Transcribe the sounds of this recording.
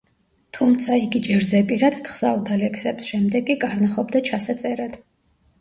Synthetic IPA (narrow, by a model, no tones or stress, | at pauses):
t̪ʰumt̪sʰaiɡid͡ʒɛɾzɛpʼiɾad̪t̪χz̥auɾd̪alɛkʰsɛbsʃɛmd̪ɛɡkʼikʼaɾnaχɔbd̪at͡ʃʰasat̪sʼɛɾad̪̥